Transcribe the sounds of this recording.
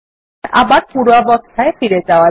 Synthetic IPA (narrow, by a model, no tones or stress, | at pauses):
ʔa̰baɾpuɽwabɔk̚t̪ʰaefiɾed͡ʒaoa